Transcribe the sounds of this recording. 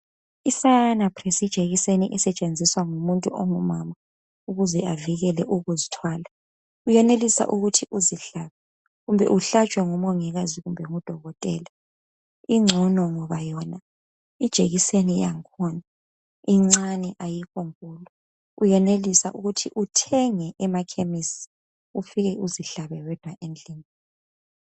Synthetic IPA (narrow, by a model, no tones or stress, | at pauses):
isanapʰrɛsid̥ʒ̥ʱeɣiseniʔɛsɛt͡ʃʼend͡zʱiswaŋumuntʼuʔɔŋumama | uɣuzɛaviɣɛlɛʔuɣuzitʰwaːla | ujɛnelisa̰ʔuɣutʰiʔuziɬaːβɛ | ɣumbʱɛ̰ʔuɬat͡ʃʼwɛŋumɔŋɛɣaziɣumbʱɛŋud̥ʱɔɣɔtʼɛːla | iŋ͡ǀʱɔnɔŋɔβajɔna | id̥ʒ̥ʱeɣisenijaŋkʰɔna | iŋ͡ǀanɛʔajikɔŋkʼuːlɔ | ujɛnelisa̰ʔuɣutʰiʔutʰɛŋɛʔɛmakʰemisi̥ | ufiɣɛuziɬaβɛwɛd̥ʱwaʔend͡ɮʱiːni